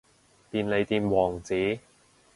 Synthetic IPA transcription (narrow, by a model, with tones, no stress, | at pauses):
piː˧nle˨˧jt̪iː˧nwɔː˨˩ŋt͡siː˨˥